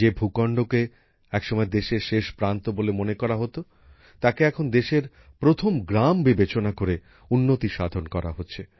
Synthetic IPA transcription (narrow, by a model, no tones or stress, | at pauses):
d͡ʑebʱukɔɳɖoke | ɛkʃɔmɔed̪eʃeɾʃeʃpɾant̪obolemonekɔɾaɦot̪o | t̪akeɛkʰond̪eʃeɾ | pɾot̪ʰomɡɾambibet͡ɕonakoɾe | unːot̪iʃad̪ʱonkɔɾa̰ɦotːɕʰe